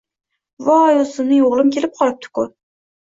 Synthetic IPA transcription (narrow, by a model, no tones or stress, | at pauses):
vɑːjolˠsɨnɪjoʁlˠɪmkʲʰe̞lɪp̚qʰɒlɪp̚t̪ʰɪ̥kʊ